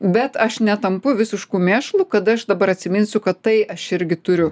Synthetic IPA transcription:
bʲɛt̪ɐʃnʲɛt̪ɐmpʊʋʲɪsʲɪʃkuːmʲeːʃlˠuːkɐd̪ɐɐʃd̪ɐbɐɾɐt̪ʲsʲɪmʲɪnʲsʲʊkɐt̪tɐɪʔɐʃɪɾʲɡʲɪt̪ʊɾʲʊ

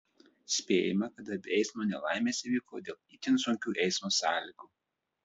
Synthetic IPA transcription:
sʲpʲḛːjɪmɐkɐt̪ɐbʲɛɪsmoːnʲɛlˠɑˑɪmʲeːsʲɪʋʲiːko̰ːd̪ʲeːlˠit̪ʲɪnsʊŋʲkʲuːʔɛɪsmoːsɑ̰ːlʲɪɡuː

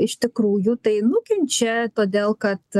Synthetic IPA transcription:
ɪʃt̪ʲɪkɾuːjut̪ɐɪnʊkʲɛnʲt͡ʃʲɛt̪oːd̪ʲeːlˠkɐt̪

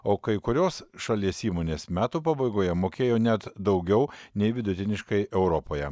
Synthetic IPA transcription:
oːkɐɪkʊɾʲoːsʃɐlʲiɛsiːmoːnʲeːsmʲæːt̪uːpɐbɐɪɡoːjɛmoːkʲeːjoːnʲæt̪d̪ɐʊɡʲɛʊnʲɛɪʋʲɪd̪ʊt̪ʲɪnʲɪʃkɐɪɛʊɾɔpoːjɛ

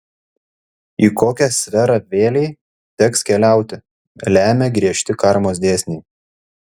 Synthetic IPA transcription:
iːkoːkʲɛsʲʋʲɛɾɑʋʲeːlʲɛɪ | t̪ʲɛkskʲɛlʲæˑʊt̪ʲɪ | lʲæːmʲeːɡɾʲiɛʃʲt̪ʲɪkɑˑɾmoːsd̪ʲeːsʲnʲeː

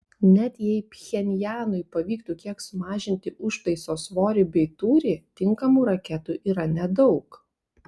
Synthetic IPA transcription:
nʲɛt̪jɛɪpʲxʲɛnʲjæːnʊɪpɐʋʲiːkt̪uːkʲiɛksʊmɑːʒʲɪnʲt̪ʲɪʊʃt̪ɐɪsoːsʋoːɾʲɪbʲɛɪt̪uːɾʲɪt̪ʲɪŋkɐmuːɾɐkʲɛt̪uːʔiːɾɐnʲɛd̪ɒʊk

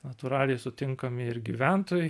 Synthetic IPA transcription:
nɐt̪uɾɑːlʲɛjsʊt̪ʲɪŋkɐmʲɪɪɾɡʲiʋʲænt̪oːjɛ

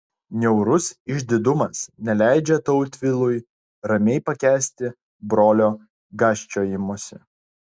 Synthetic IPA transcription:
nʲɛʊɾʊsɪʒʲd̪ʲɪd̪ʊmɐsnʲɛlʲæˑɪd͡ʒʲɛt̪ɔʊt̪ʲʋʲɪlˠʊj | ɾɐmʲɛɪpɐkʲæːsʲt̪ʲɪ | bɾoːlʲoː | ɡɑːsʲt͡ʃʲoːjɪmoːsʲɪ̰

